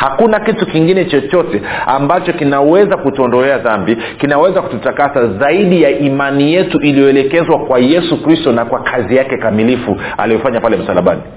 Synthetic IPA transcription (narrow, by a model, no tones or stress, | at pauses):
hakunakitukiŋɡinɛt͡ʃɔt͡ʃɔtɛa̰mbat͡ʃɔkinawɛzakutuɔndɔlɛaðambi | kinawɛzaku̥tutakasazaiɗijaʔimanijɛtuʔilijɔɛlɛkɛzwakwajɛsukɾistɔnakwakʰazijakɛkamilifu | a̰lijɔfaɲapalɛm̩salaɓa̰ni